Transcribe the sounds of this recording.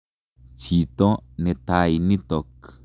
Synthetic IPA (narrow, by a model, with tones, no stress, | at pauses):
t͡ʃi˨t̪o˦nẽ˧t̪a˧i˧nĩ˦t̪o˨k